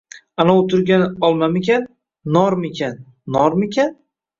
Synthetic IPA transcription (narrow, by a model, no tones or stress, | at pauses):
anaot̪ʰʊɾɡʲanɪɒlˠmamekʲanː | ɒɾmekʲʰanː | ɒɾmekʲʰan